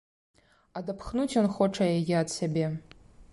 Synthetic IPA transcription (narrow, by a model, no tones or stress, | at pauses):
adapʰχnutʰanχoʈ͡ʂʰajeɡʲiadsabʲe